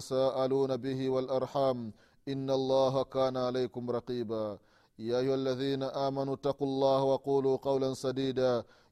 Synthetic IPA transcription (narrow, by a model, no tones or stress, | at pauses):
saːʔaluːnabɪɦɪwalʔɑɾˤħaːm | ʔɪnːalˤːaːɦakaːnaʕalajkʊmɾˤɑqiːbaː | jaːʔajːʊhalːaðiːnaʔaːmanuːt̪ːɑqulˤːɑːhawɑquːluːqɑwlansad̪iːd̪aː